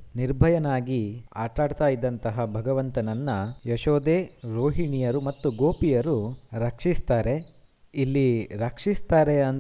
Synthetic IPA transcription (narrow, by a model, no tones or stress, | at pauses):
niɾbʱɐjɐnaːɡia̰ːʈaːɖt̪aːjid̪ːɐnt̪ɐɦɐbʱɐɡɐʋɐnt̪ɐnɐnːɐjɐʃoːd̪eːɾoːɦiɳijɐɾumɐt̪ːuɡoːpijɐɾuɾɐkʂist̪aːɾe̞ | ilːiɾɐkʂist̪aːɾeɐn